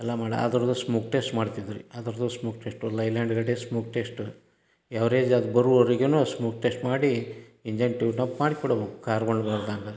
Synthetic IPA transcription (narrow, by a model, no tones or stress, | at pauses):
ɛlːamaːɽḭɐ̰d̪ɐɾud̪usmuːkʈesʈmaːɽt̪id̪iɾḭɐd̪ɐɾɐd̪usmuːkʈesʈulɐjlaːɳɖɡɐɽesmuːk̚ʈesʈu | ɛʋɐɾeːd͡ʒɐd̪ubɐɾuɐɾiɡenuːsmuːk̚ʈesʈmaːɽiiɲd͡ʒɐnʈiʋʈɐmpmaːɽikuːɽɐbkkaːɾkoɳɖbaːɾd̪anɡɐ